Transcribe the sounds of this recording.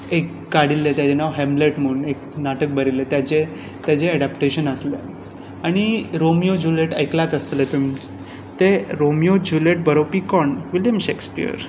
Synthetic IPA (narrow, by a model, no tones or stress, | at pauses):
ekːaɽilːet̪jat͡ɕenawɦɛ̃mbleʈməunek̚naʈək̚bəɾilːet̪jat͡ɕe | t̪jat͡ɕeːɽapʈeɕənəslḛ | aɽ̃iɾomijod͡ʑuleʈə̰jklat̪əst̪let̪um | t̪eɾomijod͡ʑuleʈ̚bəɾopikɔɳʋiljəmɕekspḭə̰ɾ